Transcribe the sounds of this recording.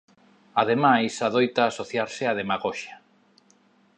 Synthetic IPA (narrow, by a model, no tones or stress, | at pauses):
aðemajsaðojt̪aːsoθjaɾsɪað̞emaɣɔʃa